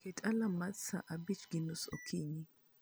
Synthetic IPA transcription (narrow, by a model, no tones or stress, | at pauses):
kɛtʼalamasa̰ʔabit͡ʃɡinusɔ̰kʰiɲi